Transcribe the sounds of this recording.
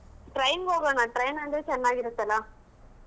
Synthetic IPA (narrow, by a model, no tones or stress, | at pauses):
ʈɾɐjnɡɦoːɡoːɳaʈɾɐjnɐnd̪ɾet͡ʃɛnːaːɡiɾut̪ːɐlːa